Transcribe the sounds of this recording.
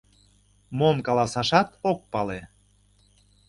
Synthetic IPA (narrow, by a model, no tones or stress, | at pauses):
momkɑlɑsɑʃɑt̪ok̚pɑle